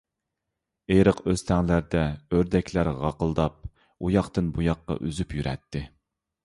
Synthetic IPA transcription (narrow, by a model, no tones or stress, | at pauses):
eɾəqøst̪ʰɛŋlæɾd̪ɛøɾd̪ɛkʲlæɾʁɑqəlˠd̪ɑp̚ | ujɑqt̪ɨnbujɑqːɑ̰ʔyzypjyɾʔɛ̰t̪ʰːɪ